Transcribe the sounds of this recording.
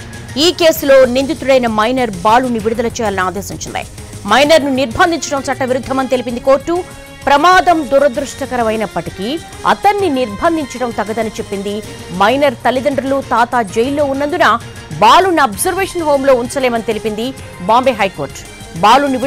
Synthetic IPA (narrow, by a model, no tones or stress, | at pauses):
iːke̞ːsulo̞ːnind̪it̪uɽɐjnɐmɐjnɐɾbaːluniʋiɽud̪ɐlɐt͡ʃɛːjaːlɐniaːd̪ɛːsmiɲt͡ʃind̪ɐ̰j | mɐjnɐɾnuniɾbʱɐnd̪ʱiɲt͡ʃɐɽɐmt͡ʃɐʈːɐʋiɾud̪ʱːɐmɐnit̪e̞lip̬ind̪iko̞ːɾʈːu | pɾɐmaːd̪ɐmd̪uɾɐd̪ɾuʂʈɐkɐɾɐmɐjnɐpːɐʈiki | ɐ̰t̪ɐnːiniɾbʱɐnd̪ʱiɲt͡ʃɐɽɐmt̪ɐɡːɐd̪ɐnit͡ʃe̞pːind̪i | mɐjnɐɾt̪ɐlid̪ɐɳɖɾɐlut̪aːt̪aːd͡ʒejilːo̞ːunːɐnd̪unɐ | baːlunɐbzɐɾʋeːʂɐnɦo̞ːmlo̞ːunt͡ʃɐleːmɐnit̪e̞lipind̪i | baːmbeːɦɐjko̞ːɾʈ | baːluni